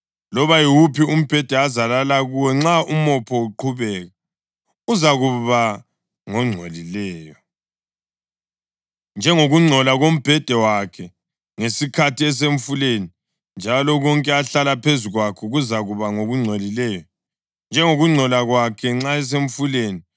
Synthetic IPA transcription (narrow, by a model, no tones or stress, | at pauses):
lɔβajiwupʰium̩b̥ʱɛd̥ʱɛazalalaɣuwɛŋ͡ǁaumɔpʰɔuǃʰuβɛɣa | uzaɣuβa | ŋɔŋ͡ǀʱolilɛːjɔ | nd͡ʒʱɛŋoɣuŋ͡ǀʱɔlaɣom̩b̥ʱɛd̥ʱɛwakʰɛ | ŋesikʰatiɛs̬eɱfuleni | nd͡ʒʱalɔɣɔŋkʼɛaɬalapʰezuɣwakʰɔɣuzaɣuβaŋoɣuŋ͡ǀʱolilɛjɔ | nd͡ʒʱɛŋoɣuŋ͡ǀʱɔlaɣwakʰɛŋ͡ǁaɛs̬eɱfuleːni